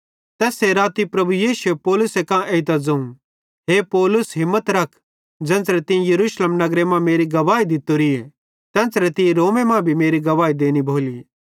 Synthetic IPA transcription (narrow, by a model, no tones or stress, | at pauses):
t̪ɛːseɾaːt̪ipɾɐbujiːsuepɔːlʊsekãʔeɪt̪ad͡zɐũ | ɦepɔːlʊsɦɪ̃mːət̪ɾɐkʰ | d͡ʒɛ̃ːnsɾɛt̪ɪ̃ĩjɐɾuːʃleːmnɐɡɾemãmeːɾiɡɐʋaːid̪ɪt̪oɾie | t̪ɛ̃ːnsɾɛt̪ɪ̃jẽɾoːmẽmãbʱimeːɾiɡɐʋaːid̪eːnibʱoːliː